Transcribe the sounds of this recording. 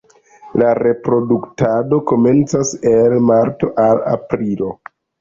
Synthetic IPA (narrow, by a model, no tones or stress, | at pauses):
laɾe̞pɾo̞duktado̞ko̞me̞nt͡sase̞lmaɾto̞ʔala̰pɾilo̞